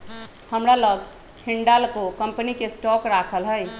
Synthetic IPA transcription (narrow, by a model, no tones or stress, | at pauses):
həmɾaləɡ | hʰiɳɖalkokəmpənikesʈɔkɾakʰəlɦəj